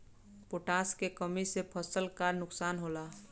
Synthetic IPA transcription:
poʈaːskekəmisepʰəsəlkanʊksaːnɦola

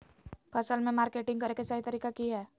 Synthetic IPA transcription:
pʰʌsəlmẽmaɾkeʈiŋɡʌɾekesaɦit̪ʌɾikakiɦɛ

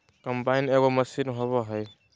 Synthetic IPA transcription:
kampajnɛɡɔməsinɦɔβɔɦɔj

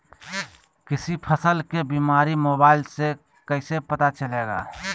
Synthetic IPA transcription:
kisipʰəsəlkebimaɾimobaɪlse | kəɪsepət̪at͡ʃəleɡa̰

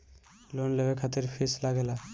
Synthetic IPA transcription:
lonlebekʰat̪iɾpʰislaɡela

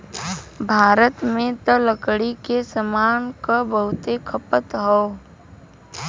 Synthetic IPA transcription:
bʱaːɾət̪mẽt̪ələkɽikesəmaːnkabəɦʊt̪ekʰəpət̪ɦɔː

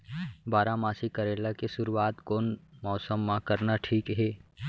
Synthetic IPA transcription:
baːɾamaːsikɐɾeːlakesʊɾuaːt̪koːnmɔːsəmːãkɐɾnaʈʰiːkɦɛː

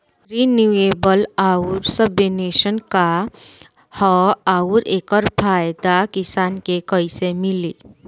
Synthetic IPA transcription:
ɾinjueːbəlaːuɾsəbjeneːʃənka | hɔaːʊɾeːkəɾpʰaːjd̪akɪsaːnkekəisemɪliː

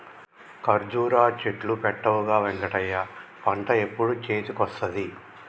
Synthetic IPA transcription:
kɐɾd͡ʒuːɾaːt͡ʃeʈlupɛʈːɐʋuɡaːʋeŋkɐʈɐjːɐpɐɳʈɐe̞pːuɽut͡ʃeːt͡ʃukɔst̪ɐd̪i

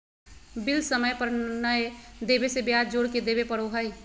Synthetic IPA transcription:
bɪlsəməjpəɾnəed̪eːbesebjaːd͡ʒoːɽked̪eːbepɐɾoːɦai

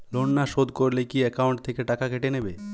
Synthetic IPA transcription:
loɳːaʃod̪ʱkoɾlekiɛkauɳʈt̪ʰekeʈakakʰeʈenebe

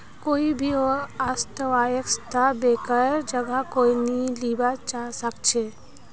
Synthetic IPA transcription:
koːibʱioɾast̪əʋaːjəkst̪ʰabeːkəɾd͡ʒəɡakoːiniliːbat͡ʃaːsəkt͡ʃʰeː

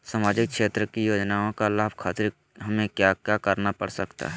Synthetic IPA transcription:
samaːd͡ʒɪk̚kʃeːt̪ɾəkijoːd͡ʒnaːõkalaːbkʰaːt̪ɪɾ | ɦɐmẽkjakjaːkəɾnapəɽsəkt̪a̰ɦɛ

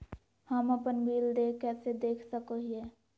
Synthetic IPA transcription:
həməpənbiːlɖeːkɛːsed̪eːkʰsəkoɦiɦɛː

